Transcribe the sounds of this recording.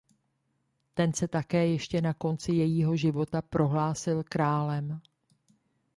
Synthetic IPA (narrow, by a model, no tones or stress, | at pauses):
t̪ɛnsɛt̪akɛːjɛʃcɛnako̞nt͡sɪjɛjiːɦo̞ʒɪvo̞t̪apɾo̞ɦlaːsɪlkɾaːlɛm